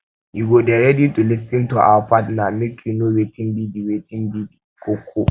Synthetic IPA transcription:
ʔiɡodɛɾeditulɪstɪntuʔa̰wpatnamɪkʲʰinoɾetɪmbidiwetɪmbidikʰokʷʰːo

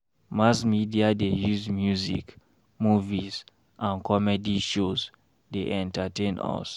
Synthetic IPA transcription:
masmidiadejuzmjuzḭk | muviz | ʔãnkɔmɛdiʃoz | deʔɛ̃ntatẽnɔ̰s

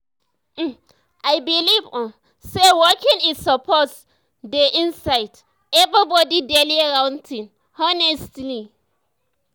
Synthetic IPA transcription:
ʔajbilivɔn | sewɔkɪ̃ŋɪsɔpʰɔs | deʔɪ̃nsaɪd | ɛvɾibɔdidɛliɹãwntʰɪ̃n | hɔnɛstli

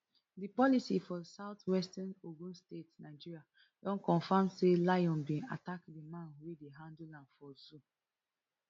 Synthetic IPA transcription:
dipɔlisifɔsaʊtwɛstanoɡũnstetnaɪd͡ʒiɹia | dɔ̃nkɔ̃nfãmselajɔ̃nbĩna̰takdimãnwedeɦãndulãndfɔzu

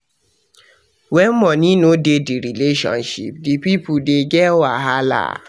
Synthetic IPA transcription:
wɛ̃n̩mɔ̃nĩnõdediɾileʃɔ̰̃nʃḭp̚dipipudeɡɛwaɦala̰

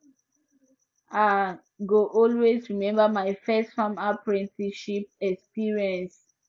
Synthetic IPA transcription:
a | ɡoʔɔlwezɹimɛ̃mbəmaɪfɛstfãmapɹɛ̃ntʰiʃip̚ɛkspiɹiɛ̃ns

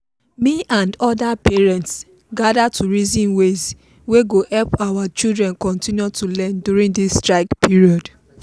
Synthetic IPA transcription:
miʔãndɔdapɛɹɛ̃nts | ɡadatʰuɹizĩnwez | weɡohɛlpawat͡ʃildɹɛ̃nkɔ̃ntĩnjutʰulɛ̃ndjuɹĩŋdistɹaɪkpiɹiɔd

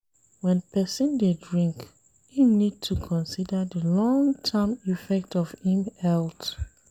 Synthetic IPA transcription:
wɛ̃npʰɛsĩndedɹĩŋk | hĩmnid̚tʰukʰɔ̃nsidəðəlɔ̃ŋtʰɛmifɛk̚tɔvhĩmɛlt

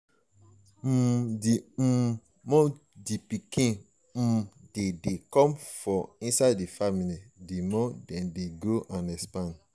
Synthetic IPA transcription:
m̩dim̩ | mɔ̃ | dipikĩ | m̩dedekɔ̃mfɔ̃ĩnsadifamilidemɔ̃dɛ̃ndeɡoʔãnɛspãn

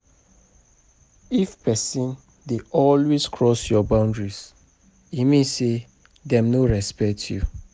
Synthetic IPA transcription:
ifpɛsĩn | deʔɔlweskʰɹɔsjɔbãʊ̃ndɹis | imĩse | dɛ̃mnoɹɛspɛk̚tʰjṵ

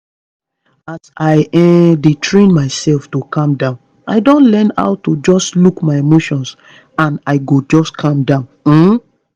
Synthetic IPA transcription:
asaɪɛdetʰɹĩnmaɪsɛlftokʰɔ̃mdãʊ̃n | a̰ɪdõntlɛ̃nha̰ʊtud͡ʒɔstlukmaɪemoʃɔ̃ns | ãnaɪɡod͡ʒɔskʰɔ̃mdãʊ̃nm̩

